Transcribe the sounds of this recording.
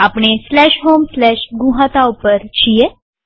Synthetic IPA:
apɳeslɛɕɦomslɛɕɡũɦat̪awpəɾt͡ɕije

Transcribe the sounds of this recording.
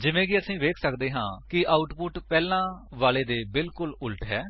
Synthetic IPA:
d͡ʒɪʋẽːkɪəsĩːʋeːkʰsəkd̪eːɦãːkɪʔaːʊʈpʊʈpɛːlãːʋaːleːd̪eːbɪlkʊlʊlʈɦɛː

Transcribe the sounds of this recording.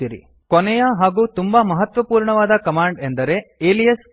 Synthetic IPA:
iɾḭ | kɔnɛjɐɦaːɡuːt̪umbamɐɦɐt̪ʋɐpuːɾɳɐʋaːd̪ɐkɐmaːɳɖend̪ɐɾe̞eːlijɐs

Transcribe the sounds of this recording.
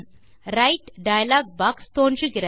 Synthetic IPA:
ɾɐɪʈɖɐjɐlaːɡ̚baːkst̪oːndrɯɣɪɾɐ

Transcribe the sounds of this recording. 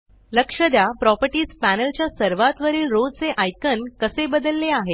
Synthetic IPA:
ləkʂəd̪japɾɔpəɾʈiːd͡zpænəlt͡ɕjasəɾʋat̪ʋəɾiːlɾod͡zt͡seʔajkənkəsebəd̪əlːeaɦe

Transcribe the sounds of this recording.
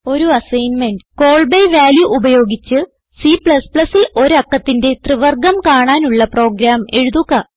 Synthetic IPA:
o̞ɾuɐsɐjnme̞nɖɨko̞ːɭbejʋaːljuʔːbɐjo̞ːɡit͡ɕːɨ | sipɭɐspɭɐsilo̞ɾɐkːɐt̪ːinde̞t̪rɨʋɐrɡɐmkaːɳaːnuɭːɐpro̞ːɡɾaːme̞ɻuðuɣɐ

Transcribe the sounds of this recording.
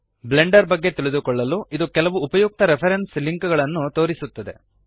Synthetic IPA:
bleɳɖɐɾbɐɡːe̞t̪iɭid̪ukɔɭːɐluʔid̪ukɛlɐʋuːpɐjuk̚t̪ɐɾepʰɐɾensliŋkuɡɐɭɐnːut̪o̞ːɾisut̪ːɐd̪e̞̰

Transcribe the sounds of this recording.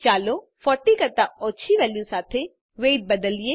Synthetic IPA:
t͡ʃaːlo | fɔːʈikɐɾt̪aɔːt͡ʃʰiʋɛːljusaːt̪ʰe | ʋeːʈ̚bɐd̪əlie

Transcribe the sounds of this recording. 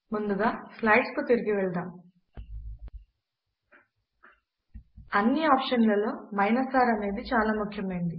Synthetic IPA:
mund̪uɡaːslɐjʈst̪oːt̪iɾiɡiʋɛɭɐd̪aːm | ɐnːiaːpʃɐnlɐloːmɐjnɐsaːɾɐne̞ːd̪it͡ʃaːlaːmukʰjɐmɐjind̪i

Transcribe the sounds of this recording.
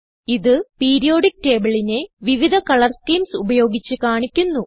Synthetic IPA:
iðɨpiːɾijo̞ːɖik̚ʈe̞ːbɐɭine̞ʋiʋid̪ʱɐkɐɭɐrskiːmsubɐjo̞ːɡit͡ɕːɨkaːɳikʲːunːu

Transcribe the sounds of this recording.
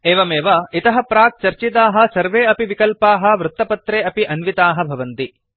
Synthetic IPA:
eːʋɐmeːʋɐit̪ɐɦɐpɾaːk̚t͡ʃɐɾt͡ʃit̪aːɦɐ̆sɐɾʋeːɐpiʋikɐlpaːɦɐ̆ʋɾut̪ːɐpɐt̪ɾeːɐpiʔɐnʋit̪aːɦɐbʱɐʋɐnt̪i

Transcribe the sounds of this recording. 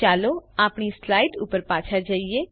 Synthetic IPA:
aːloaːpɳislaːɪʈṵpəɾpaːt͡ʃʰad͡ʒaːieː

